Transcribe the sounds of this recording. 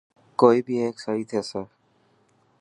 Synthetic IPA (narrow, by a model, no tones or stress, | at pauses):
koːiːbiːeːksaiːt̪ʰeseː